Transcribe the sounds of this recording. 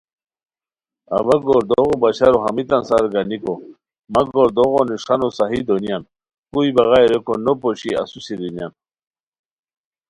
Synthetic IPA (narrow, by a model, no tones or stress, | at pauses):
ɐ̰ʋɐɡoɾd̪oɣobɐɕaɾoɦɐmit̪ɐnsaɾɡɐniko | mɐɡoɾd̪oɣoniʂɐnosaɦid̪onijan | kuibɐɣajɾekonopoɕiɐ̰susiɾinja̰n